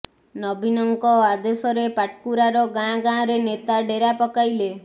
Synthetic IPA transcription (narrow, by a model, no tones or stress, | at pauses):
nɔbʱinɔŋkɔad̪esɔɾepaʈ̚kuɾaɾɔɡãɡãɾenet̪aɖeɾapɔkajle